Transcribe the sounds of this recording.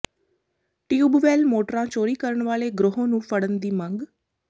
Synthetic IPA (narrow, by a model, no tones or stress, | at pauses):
ʈiːuːbʋɛːlmoːʈɾãːt͡ʃoːɾiːkəɾəɳʋaːleːɡɾʊɦõːnũːpʰəɽənd̪iːməŋɡ